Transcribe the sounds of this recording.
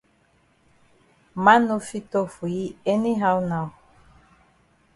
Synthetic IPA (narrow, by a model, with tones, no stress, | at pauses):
ma˦no˦fi˦tɔ˦fu˨ji˦ɛ˦ni˦ɦa˦wna˨w